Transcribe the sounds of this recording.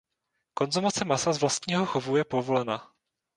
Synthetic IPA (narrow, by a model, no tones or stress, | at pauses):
ko̞nzumat͡sɛmasazvlast̪̚ɲiːɦo̞xovuwjɛpo̞vo̞lɛna